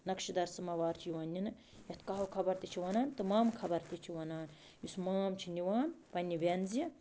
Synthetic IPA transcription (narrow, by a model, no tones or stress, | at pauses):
nɐkʃid̪ɐɾsɨmɐʋaːɾt͡ʃʰjiwɐnʲːinɨ | jɐt̪ʰkaɦɐkʰɐbɐɾt̪it͡ʃʰiʋɐnaːnt̪ɨmaːmkʰɐbɐɾt̪it͡ʃʰiwɐnaːn | jusmaːmt͡ʃʰinʲiʋaːnpɐnʲːiʋʲenzijɐ